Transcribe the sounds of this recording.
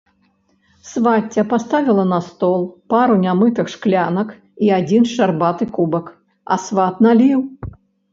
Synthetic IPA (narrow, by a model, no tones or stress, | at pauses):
svatʲːɐpast̪avʲilˠɐnɐst̪ɔlˠpaɾunʲamɨt̪ɨxʂklʲanɐk | iad͡zʲinʂarbat̪ɨkubɐk | ɐ̰svat̪nalʲiw